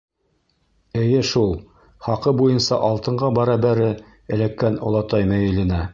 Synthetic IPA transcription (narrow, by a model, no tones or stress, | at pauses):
ɘ̆jɘʃulˠ | χɑqɤbujɤnsɑʔɑlˠt̪ɤ̆ɴɢɑbɑɾɑbæɾɘ | ɘ̆lækːænŏ̰lˠɑt̪ɑjmæjɘ̆lɘ̆næ